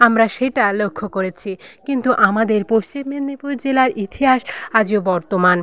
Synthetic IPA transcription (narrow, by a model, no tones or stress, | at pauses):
amɾaʃeʈalokʰːokoɾet͡ɕʰikint̪uʔamad̪eɾpost͡ɕimːenipuɾd͡ʑelaɾit̪ʰiɦaʃad͡ʑiobɔɾt̪oman